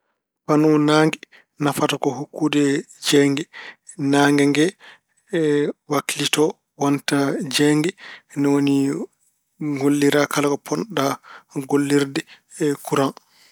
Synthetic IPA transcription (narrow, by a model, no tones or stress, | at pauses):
panunaŋɡɛ | nafatakɔhukːuːdɛ | d͡ʒɛŋɡɛ | naːŋɡɛŋɡɛ | wakilitɔ | wantad͡ʒɛŋɡɛnɔwoni | ɡolːiɾakalakɔpʰɔnɗaɡolːiɾdɛ | kuɾan